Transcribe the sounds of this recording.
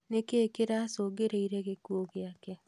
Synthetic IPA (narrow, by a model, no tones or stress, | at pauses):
nekeːkeɾasoɡeɾeiɾɛɣekuoɣeakɛ